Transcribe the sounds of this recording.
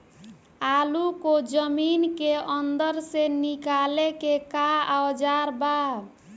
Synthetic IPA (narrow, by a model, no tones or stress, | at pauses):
alukod͡ʒəminkeənd̪əɾsenikalekekaawd͡ʒaɾba